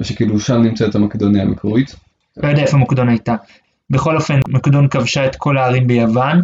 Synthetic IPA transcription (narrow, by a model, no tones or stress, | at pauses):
eʃekiːluʃamnimt͡setamakd̪oniamikuʁit̪ | lojodɛaefoamokd̪o̞najta | be̞χo̞lo̞fe̞nmokd̪o̞nkavʃaet̪kʰo̞laːʁimbejavan